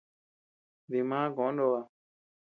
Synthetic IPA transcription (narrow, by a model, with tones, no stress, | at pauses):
d̪i˨mãː˦ɡõ˨˦ndo˧a˧˨